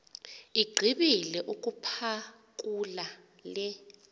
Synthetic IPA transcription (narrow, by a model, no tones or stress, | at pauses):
iɡ͡ǀʱiɓilɛʔuk̬ʼupʰa | kʼula | lɛ